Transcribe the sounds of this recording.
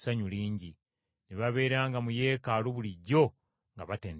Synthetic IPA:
saɲuliːɲɟi | neβaβe̞ːɾaːŋɡamuje̞ːkaluβuliɟo̞ | ŋɡaβateːn

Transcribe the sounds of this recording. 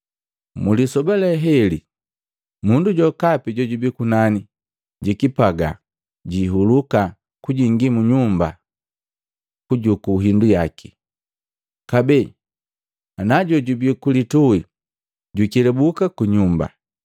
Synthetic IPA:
mulisɔbalɛɦɛli | munduɟɔkapiɟɔɟubikunani | ɟikipaɡa̰ | ɟiɦuluka | kuɟiŋɡimuɲumba̰ | kuɟukuɦindujaki̥ | kabɛ | anaɟɔɟubikulitui | ɟukilɛbukakuɲumba̰

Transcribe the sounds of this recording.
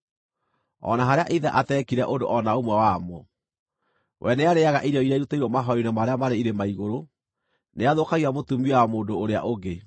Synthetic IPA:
ɔ̰naɦaɾeaʔiðɛʔatɛkiɾɛʔondo̰ʔɔnaomwɛwamɔ | wʔɛneaɾeaɣaʔiɾeɔiɾaiɾutaiɾwɔmaɦɔɾinemaɾeamaɾeiɾemaiɣoɾo | neaðokaɣiamotumiɛamoːndoːɾea̰ʔoɡe

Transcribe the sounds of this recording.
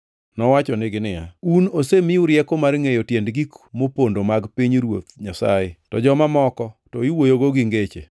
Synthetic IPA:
nɔwat͡ʃɔnɪɡɪnɪja̰unosemɪʊɾjɛkomarŋejotjendɡikmopondomaɡpiɲɾwo̰t̪̚ɲasajɪtɔ̰d͡ʒɔmamɔkɔtɔiwojoɡoɡɪŋɡet͡ʃḛ

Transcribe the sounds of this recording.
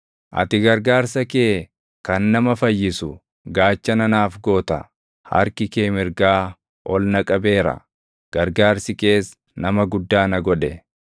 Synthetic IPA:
ʔɐ̰t̪ɪɡɐɾɡaːɾsɐke̞ː | kɐnːɐmɐfɐjːɪsʊ | ɡaːt͡ʃːɐnɐnaːfɡo̞ːt̪ɐ | hɐ̰ɾkɪkeːmɪɾɡaː | ʔɔlnɐkʼɐbe̞ːɾɐ̰ | ɡ̥ɐɾɡaːɾsɪke̞ːs | nɐmɐɡʊd̪ːaːnɐɡɔᶑɛ

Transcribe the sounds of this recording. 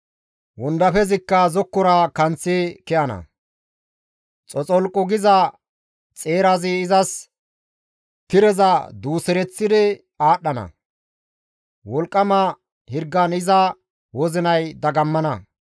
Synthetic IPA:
wɔnd̪ɐfɛzɪkːɐzɔkːɔɾɐkɐnt͡sːɪkɛʔɐnɐ̰ | t͡sʼɔt͡sʼɔlkʼːɔɡɪzɐ | t͡sʼeːɾɐzɪːzɐs | t̪ɪɾɛzɐd̪uːsɛɾɛt͡sːɪd̪ɪ | aːɗːɐnɐ̰ | wɔlkʼːɐmɐ | hɪɾɡːɐnɪzɐ | wɔzɪnɐjd̪ɐɡɐmːɐnɐ

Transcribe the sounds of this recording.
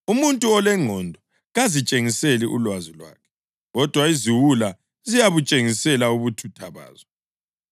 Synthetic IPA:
umuntʼuɔlɛŋ͡ǃʱɔndʱɔ | ɣazit͡ʃʼeŋiseliʔṵlwazilwa̰ːkʰɛ̥ | ɣɔd̥ʱwaiziwula | zijaβut͡ʃʼeŋisɛlauβutʰutʰaβa̰ːzɔ

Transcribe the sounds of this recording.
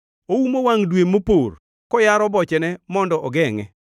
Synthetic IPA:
owumowaŋdwemopor | kɔjaɾɔbɔt͡ʃɛnɛmɔndɔʔɔɡɛŋɛ̰

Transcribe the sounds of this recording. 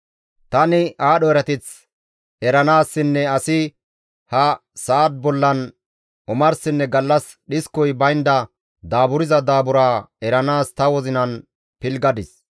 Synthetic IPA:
t̪ɐnɪʔaːɗɔɛɾɐt̪ɪt͡s | ɛɾɐnaːsːɪnːɛɐsɪ | hɐsaːd̪̚bɔlːɐn | ʊmɐɾsɪnːɛɡɐlːɐs | ɗɪskːɔjbɐjnd̪ɐ | d̪aːbʊɾɪzɐd̪aːbʊɾaːɛɾɐnaːst̪ɐwɔzɪnɐn | pɪlɡɐd̪ɪs

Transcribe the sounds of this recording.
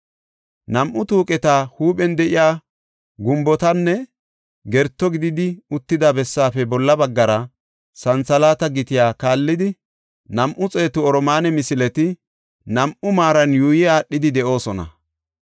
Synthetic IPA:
nɐmʔʊt̪uːkʼɛt̪aːhuːɓɛnd̪ɛʔɪjaː | ɡʊmbɔt̪ɐnːɛ | ɡɛɾt̪ːɔɡɪd̪ɪd̪ɪʊt̪ːɪd̪abɛsːaːfɛbɔlːɐbɐɡːɐɾɐ | sɐnt͡sɐlaːt̪ɐɡɪt̪ɪjaːkaːlːɪd̪ɪ | nɐmʔʊt͡sʼeːt̪ʊɔɾɔmaːnɛmɪsɪlɛt̪ɪ | nɐmʔʊmaːɾɐnjuːjɛaːɗːɪd̪ɪd̪ɛʔo̞ːsɔnɐ̰

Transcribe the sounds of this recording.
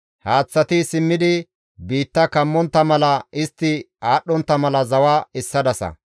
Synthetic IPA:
haːt͡sːɐt̪ɪsɪmːɪd̪ɪ | biːt̪ːɐkɐmːɔnt̪ːɐmɐlɐɪst̪ːɪ | aːɗːɔnt̪ːɐmɐlɐzɐwaːɪsːɐd̪ɐsɐ̰

